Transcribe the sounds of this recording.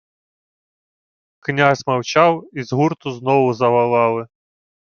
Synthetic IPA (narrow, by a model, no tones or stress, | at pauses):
knʲazʲmɐwt͡ʃɑwizɦurt̪ʊznɔwʊzɐʋɐlˠɑlˠɪ